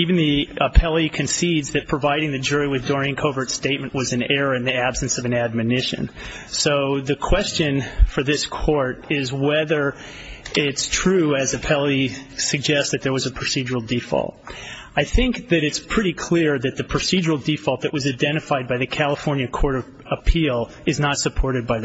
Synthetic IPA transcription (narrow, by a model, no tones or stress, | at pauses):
iṽn̩ðiəpʰɛlˠikʰɨ̃nsidzðɨt̚pʰɹ̥ɨvaɪɾɪ̃ŋðɨd͡ʒʊɹiwɨðdɔɹɪ̃ŋkʰoʊvə˞tsteɪt̚mɨ̃nʔwʌzɨ̃nɛɹə˞ɨ̃nðiæb̥sɨ̃nsʌvɨ̃næd̚mɨnɪʃɨ̰̃nsoʊðɨkʰw̥ɛst͡ʃɨ̃nfə˞ðɪskʰɔɹɾɪzwɛðə˞ | ɪtstʰɹ̥ʉɨzɨpʰɛlˠisɨɡ̚d͡ʒɛst̚ðɨt̪̚ðə˞wʌzɨpʰɹ̥ɨsid͡ʒə˞l̩ˠdifɔ̰lˠt̚ | aɪθɪ̃ŋkðɨɾɨtspʰɹ̥ɪɾikʰl̥ɪɹðɨt̪̚ðɨpʰɹ̥ɨsid͡ʒə˞l̩ˠdifɔlˠt̪̚ðɨʔwʌzaɪdɛ̃ɾ̃ɨfaɪd̚baɪðɨkʰælˠəfɔɹnjɨkʰɔɹɾʌ | əpʰilˠ | ɨznətsɨpʰɔɹɾɨd̚baɪ